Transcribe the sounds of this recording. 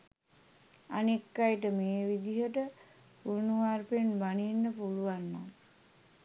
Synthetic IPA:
a̰nekːajʈəmeːʋid̪iɦəʈə | puɾnuʋaːɾpenbaninːəpuluʋanːa

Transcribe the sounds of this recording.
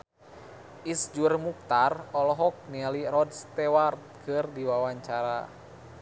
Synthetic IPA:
ʔisd͡ʒurmuk̚t̪arɔlɔɦɔk̚nialiɾɔdst̪ɛwart̪̚kʰɨrdiwawaɲt͡ʃaɾa

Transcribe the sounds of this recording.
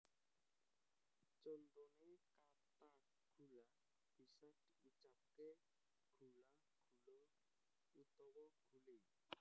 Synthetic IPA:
t͡ʃond̪oneka | t̪a | ɡ̥ʱula | b̥isad̥ | ut͡ʃap̚ke | ɡ̥ula | ɡ̥ulo | ut̪ɔwɔɡ̥ʱule

